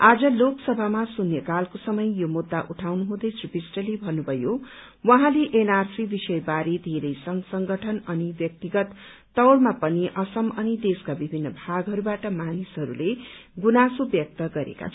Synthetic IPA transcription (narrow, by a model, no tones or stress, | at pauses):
ad͡zʌloksʌbʱamasunːjʌkalkosʌmʌjjomud̪ːaʔuʈʰawnuɦũd̪ʌjt͡sripisʈʌlebʱʌnːubʱʌjo | wʌ̃ɦãleʔenarsibisʌjbaɾid̪ʱeɾʌjsʌŋsʌŋɡʌʈʰʌnʌnibjʌk̚t̪iɡʌt̪ː | ʌwɽmapʌniʔʌsʌmʌnid̪eskabibʱinːʌbʱaɡɦʌɾubaʈʌmanisɦʌɾṵleɡunasobjʌk̚t̪ʌɡʌɾḛka̰t͡sʰ